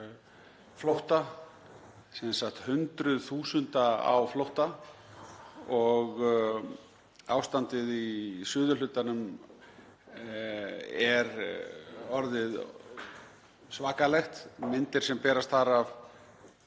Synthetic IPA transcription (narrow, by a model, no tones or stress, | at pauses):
flowht̪a | sɛnsaxt̪hʏnt̪ɾʏðθuːsʏnt̪aa̰wflowht̪a | ɔɣ | a̰ːwst̪ant̪ɪðisʏːðʏlʏt̪anʏm | ɛɾ | ɔɾðɪð | svaːkalɛxt̪mɪnt̪ɪɾ̥sɛmpɛːɾast̪θaɾav